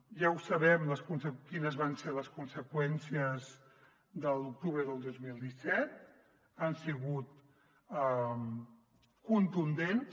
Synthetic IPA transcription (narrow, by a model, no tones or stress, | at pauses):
ʒawsəβɛmləskunsəkinəzβanseləskunsəkwɛnsiəz | ðəlˠuk̚t̪uβɾəðəlˠd̪ozmilˠd̪isɛt̪̚ | ansiɣut̪̚ | a | kunt̪und̪en